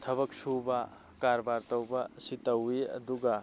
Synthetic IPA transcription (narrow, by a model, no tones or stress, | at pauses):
t̪ʰɐβɐksuba | kaɾbaɾt̪ɐwbasit̪ɐwiɐ̰d̪uɡa